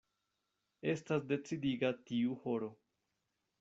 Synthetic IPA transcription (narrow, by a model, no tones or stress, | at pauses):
e̞stas̬de̞t͡sidiɡatiuho̞ɾo̞